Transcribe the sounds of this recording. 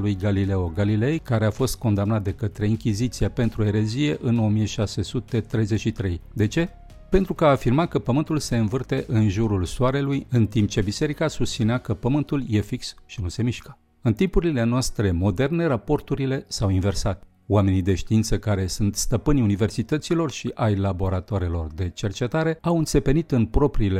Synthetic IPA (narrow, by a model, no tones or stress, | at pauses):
lujɡalile̞o̞ɡalile̞jkaɾe̞afo̞st̪̚ko̞nd̪amnat̪̚d̪e̞kət̪ɾe̞iŋkʲizit̪siape̞nt̪ɾue̞ɾe̞zije̞ʔɨno̞mijeʃase̞sut̪e̞t̪ɾe̞jze̞t͡ʃʃit̪ɾe̞jd̪e̞t͡ʃe̞ | pe̞nt̪ɾukəaːfirmakəpəmɨnt̪ulse̞ɨnvɨrt̪e̞ʔɨnʒuɾulsoaɾe̞lujɨnt̪imp̚t͡ʃe̞bise̞ɾikasust̪sineakəpəmɨnt̪ulje̞fiksʃinuse̞miʃkə̥ | ɨnt̪impuɾile̞noast̪ɾe̞mo̞d̪e̞rne̞ɾapo̞rt̪uɾile̞sawinve̞rsat̪ʲ | oame̞nid̪e̞ʃt̪iint̪səkaɾe̞sunt̪st̪əpɨnʲunive̞rsit̪ət̪silo̞rʃiʔajlabo̞ɾat̪oaɾelo̞rd̪e̞t͡ʃe̞rt͡ʃe̞t̪aɾe̞awɨnt̪se̞pe̞nit̪ɨnpɾo̞pɾiːle